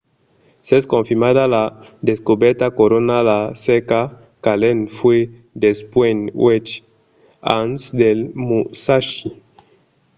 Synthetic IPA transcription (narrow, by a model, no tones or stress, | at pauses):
seskõɱfiɾmadalad̪eskubeɾt̪akoɾonalaseka | kalenfwe | d̪espwenwet͡ʃ | a̰nsd̪elmusaʃi